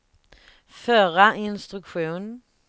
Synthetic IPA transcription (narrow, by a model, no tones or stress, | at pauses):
fœɾaɪnst̪ɾʉkɧuːn